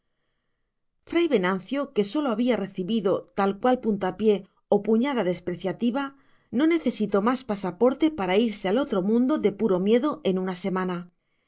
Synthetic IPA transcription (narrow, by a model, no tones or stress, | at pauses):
fɾajβe̞nãn̟θjo̞ke̞so̞lo̞aβiare̞θiβiðo̞t̪alkwalpunt̪apje̞ | opuɲað̞aðe̞spɾe̞θjat̪iβ̞a | no̞ne̞θe̞sit̪o̞maspasapo̞ɾt̪e̞paɾaiɾsealo̞t̪ɾo̞mũnd̪o̞ðe̞puɾo̞mje̞ðo̞ʔe̞nunase̞mãna